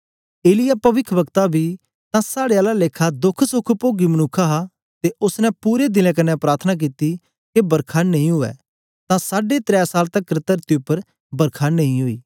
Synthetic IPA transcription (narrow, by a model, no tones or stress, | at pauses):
eːlɪjapɐʋɪkʰəʋəkt̪abʱiː | t̪ãsaːɽeaːlaleːkʰad̪ʊkʰsʊkʰpoːɡimənʊkʰaɦa | t̪eʊsnɛ̃puːɾed̪ɪlɛ̃k̬ɐnɛpɾaːɾt̪ʰənak̬iːt̪i | kebəɾkʰaːnɐ̃ɦĩɦʊɛ̰ː | t̪ãsaːɖet̪ɾɛːsaːlt̪ɐkːɾɪt̪əɾt̪iʊpːəɾ | bɐɾkʰaːnɐ̃ɦĩɦʊḭː